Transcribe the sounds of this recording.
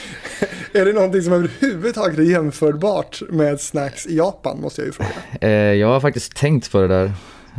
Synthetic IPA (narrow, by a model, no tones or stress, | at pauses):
æɖɛnɔnt̪ɪŋsɔmɛvəɾhʉ̟ːvəd̪t̪ʰɑːɡət̪æɾjɛmfœːɾbɑːʈmeːd̪snakːsɪjɑːpa̰nmɔst̪əja̰jə̰fɾo̰ːɡa̰jɑːɡhaɾfak̚t̪ɪ̥skt̪ʰːɛŋt̪pʰɔɖɛd̪æːɾ